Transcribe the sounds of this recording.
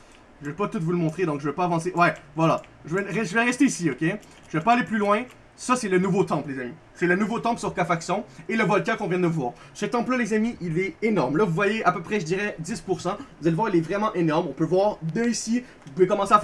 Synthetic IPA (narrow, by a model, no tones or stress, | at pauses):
ʒəvɛpat̪ut̪vuləmɔ̃t̪χed̪ɔ̃kʒəvɛpaavɑ̃seʔwɛvwala | ʒəvɛʁɛʒəvɛʁɛst̪eisiokʲe | ʒəvɛpaaleplylwɛ̃ | sʌsɛlənuvot̪ɑ̃plezamiʒə̥fɛlənuvot̪ɑ̃psyʁkafaksɔ̃eləvɔlkʲakɔ̃vjɛ̃d̪əvwaːʁ | sət̪ɑ̃plʌlezamiʔilɛenɔʁmlʌvuvwajeapøpχɛʒəd̪iʁɛd̪ispuʁsɑ̃vuzalevwaːʁilɛvʁɛmɑ̃ʔenɔʁmɔ̃pøvwaːʁd̪əisi | vupuvekɔmɑ̃seaf